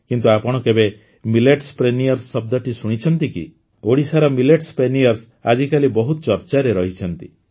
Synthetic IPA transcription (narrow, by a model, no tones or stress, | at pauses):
kint̪uapɔɽ̃ɔkebe | mileʈspɾenijɔɾsːɔb̚d̪ɔʈisuɽ̃it͡ʃʰɔnt̪ikḭ | oɽisaɾɔmileʈspɾenijɔɾs | a̰d͡ʒikalibɔɦut̪ɔt͡ʃɔɾt͡ʃaɾeɾɔɦit͡ʃʰɔnt̪ḭ